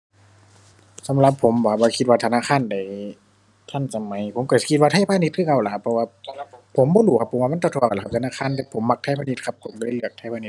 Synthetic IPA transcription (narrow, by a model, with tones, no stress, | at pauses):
sa˨˦mla˧˦pʰːo˨˦mbaː˧˩bɔː˧kʰi˧t̪̚waː˧t̪ʰa˧naː˧˥˨kʰaː˧˥˨nda˨˩j | t̪ʰa˧˥˩nsa˧ma˨˦jpʰo˨˦mkɔ˧˩si˧kʰi˧t̪̚wa˧t̪ʰa˧˥˨jpʰaː˧˨ni˧˥t̪̚kʰɯː˧˥˨ka˧˩˨la˨˧kʰa˧pʰːɔ˧waː˧pʰːo˨˦mbɔː˧˦duː˨˩˦kʰa˧pʰːo˨˩˦wːma˧˥˨t͡ɕa˧t̪ʰu˧˩˨kːʰa˧t̪ʰnaː˧˥˨kʰaː˧˥˨nt̪ɛ˧pʰo˨˦mːa˧k̚t̪ʰa˧˥˩jpʰaː˧˨ni˧t̪̚kʰa˧˥p̚kʰo˨˦mkɔ˧˩ɾa˧˩˨lɯ˧˩ək̚t̪ʰa˧˩pʰaː˧˨ni˧t̪̚